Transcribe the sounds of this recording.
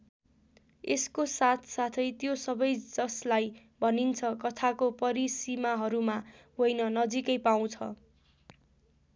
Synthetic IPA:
eskosat̪ʰsat̪ʰʌjt̪josʌbʌjd͡zʌslaj | bʱʌnint͡sʰʌkʌt̪ʰakopʌɾisimaɦʌɾuma | ɦojnʌnʌd͡zikʌjpaw̃t͡sʰʌ̰

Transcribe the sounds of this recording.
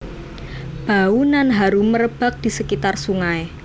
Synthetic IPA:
b̥a̤unanɦaɾuməɾəb̥a̤k̚d̪̥i̤səkit̪arsuŋae

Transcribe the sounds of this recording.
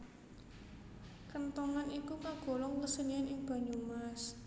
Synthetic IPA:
kənt̪ɔŋanikukaɡ̥o̤lɔŋkəsənianɪŋb̥a̤ɲumas

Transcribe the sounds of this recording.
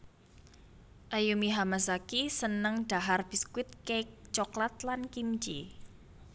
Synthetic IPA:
ʔajumiɦamasakisənəŋɖ̥a̤ɦarb̥iskwɪt̪̚kek̚t͡ʃɔklat̪lankimt͡ʃḭ

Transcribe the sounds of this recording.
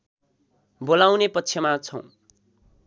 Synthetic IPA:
bolaw̃nepʌtːt͡sʰjʌmat͡sʰʌ̃w̃

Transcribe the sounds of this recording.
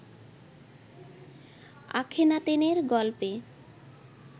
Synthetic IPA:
a̰kʰenat̪eneɾɡɔlpe

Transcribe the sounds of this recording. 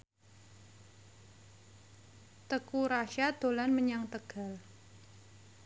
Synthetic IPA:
t̪əkuɾaʃad̪̥o̤lanməɲaŋt̪əɡ̥a̤l

